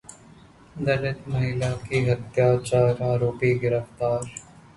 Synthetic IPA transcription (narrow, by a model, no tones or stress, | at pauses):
d̪ɐlɪt̪mɐɦɪlakiɦɐt̪jaːt͡ʃaːɾaːɾoːpiɡɪɾəft̪aːɾ